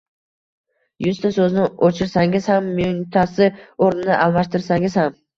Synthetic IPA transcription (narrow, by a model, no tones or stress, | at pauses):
jʊzt̪ʰasɵznɪot͡ʃʰɪɾsaŋʲɪz̥hamːʊŋt̪ʰasɪoɾnɪnɪʔalˠmaʃt̪ɪɾsaŋʲɪz̥ham